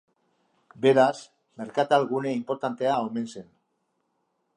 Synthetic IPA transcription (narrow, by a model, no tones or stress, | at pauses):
be̞ɾas | me̞ɾkat̪alɣune̞impo̞ɾt̪ant̪e̞ao̞me̞nse̞n